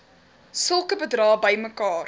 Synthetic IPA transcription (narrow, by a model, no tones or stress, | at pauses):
səlˠkəbədrɑːbəjməkɑːr